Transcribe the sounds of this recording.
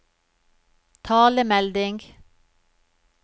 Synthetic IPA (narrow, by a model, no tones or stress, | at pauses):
t̪ʰɑːləmɛld̪ɪŋɡ